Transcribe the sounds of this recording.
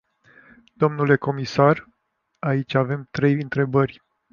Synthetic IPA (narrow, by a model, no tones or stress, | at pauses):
d̪̥o̞mnule̞ko̞misar | ait͡ʃʲave̞mt̪ɾe̞jɨnt̪ɾe̞bərʲ